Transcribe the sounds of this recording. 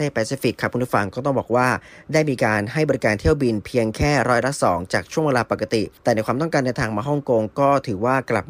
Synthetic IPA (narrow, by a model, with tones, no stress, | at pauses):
e˥˩pɛː˧siː˦˥fi˨˩kʰːa˦˥p̚ʰːu˧npʰfa˧ŋkɔː˥˩t̪ɔ˥˩ŋbɔː˨˩k̚waː˥˩daː˥˩jmiː˧kaː˧nɦa˥˩jbɔː˧ɾi˦˥kaː˧nt̪ʰi˥˩əwbi˧npʰi˧əŋkʰɛː˥˩ɾɔː˦˥jla˦˥sɔː˩˦ŋt͡ɕaː˨˩k̚t͡ɕʰu˥˩weː˧laː˧pa˨˩ka˧˩t̪i˨˩t̪ɛː˨˩na˧˥jkwaː˧mt̪ɔ˥˩ŋkaː˧ndɛ˧wt̪ʰaː˧ŋmaː˧ɦɔ˥˩ŋko˧ŋkɔː˥˩t̪ʰɯː˩˦waː˥˩kla̰˨˩p̚